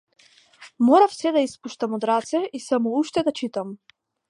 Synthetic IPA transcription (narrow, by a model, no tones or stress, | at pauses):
mɔɾafsɛd̪aispuʃt̪amɔd̪ɾat̪sɛisamɔuʃt̪ɛd̪at͡ʃit̪am